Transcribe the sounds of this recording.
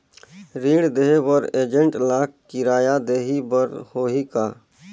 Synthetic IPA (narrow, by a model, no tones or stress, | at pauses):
ɾiːɽd̪eɦbəɾeːd͡ʒə̃ɳʈlaːkkɪɾaːjad̪eːɦibəɾhoːɦikaː